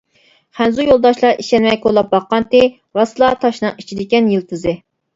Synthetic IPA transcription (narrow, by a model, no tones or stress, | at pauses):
χænzujolˠd̪ɑʃlˠɑɾiʃɛnmɛjkʰolˠːɑp̚bɑqːɑnt̪ɪ | ɾɑsɨlˠɑt̪ʰɑʃnɨŋit͡ʃʰid̪ɪkʲɛnjilˠt̪ʰɨzɨ